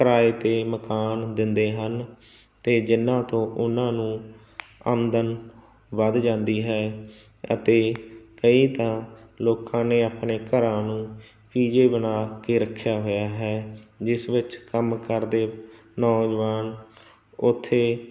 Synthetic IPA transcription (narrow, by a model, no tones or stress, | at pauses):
kəɾaːeːt̪eːməkaːnd̪ɪnd̪eːɦən | t̪eːd͡ʒɪnːãːt̪õːʔʊnãːnũː | ə̰mnd̪ən | ʋəd̪d͡ʒãːnd̪iːɦɛː | ə̰t̪eːkəiːt̪ãːloːkãːneːaːpneːkəɾãːnũː | piːd͡ʒeːbənaːkeːɾəkʰːjaːɦoːjaːɦɛːd͡ʒɪsʋɪt͡ʃkəmkəɾd̪eː | nɔːd͡ʒʋaːn | ʊt̪ʰːeː